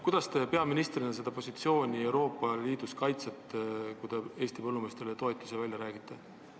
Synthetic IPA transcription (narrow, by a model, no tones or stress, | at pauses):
kujd̪̥ɑst̪e̞pe̞ɑminist̪rinɑse̞d̪̥ɑpo̞sʲit̪sio̞ːnʲie̞wɾo̞ːpˑːɑliːd̪̥uskɑjt̪set̪kujd̪̥e̞eːsʲt̪ipɤlːume̞ːst̪relet̪o̞et̪ʲːˑusevælʲjɑɾæːɡ̥it̪ːˑe